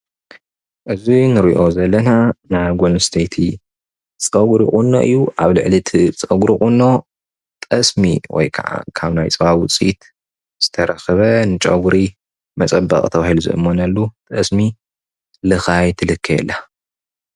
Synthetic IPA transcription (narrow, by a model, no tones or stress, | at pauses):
ʔɨzinɨɾḭʔo̞zɐlːɐnanajɡolst̪ʰejt̪ʰi | t͡sʼɐɡɾikʼunːo̰ʔɨ̰jːuʔaβlɨʕlit̪ʰɨt͡sʼɐɡuɾikʼunːo̞ | t̪ʼɐsmḭwɔ̰jkʰa̰ʕa̰kʰaβnajt͡sʼɐβawʊt͡sʼit̪ | z̥ɨt̪ʰɐɾɐxɐβɐnɨt͡ʃʼɐɡuɾi | mɐt͡sʼɐbɐ̰kʼt̪ʰɐβahiluzɨ̰ʔɨ̰mːonɐlːut̪ʼɐsmi | lɨxajt̪ʰɨlɨkʰːɐjɛ̰lːa